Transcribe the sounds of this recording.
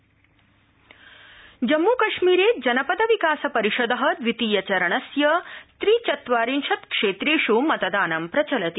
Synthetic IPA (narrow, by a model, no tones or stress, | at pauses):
d͡ʒɐmːuːkɐʃmiːɾeːd͡ʒɐnɐpɐd̪ɐʋikaːsɐpɐɾiʃɐd̪ɐɦɐd̪ʋit̪iːjɐt͡ʃɐɾɐɳɐsjɐst̪ɾiːt͡ʃɐt̪ʋaːɾinʃɐt̪kʂeːt̪ɾeːʃumɐt̪ɐd̪aːnɐmpɾɐt͡ʃɐlɐt̪i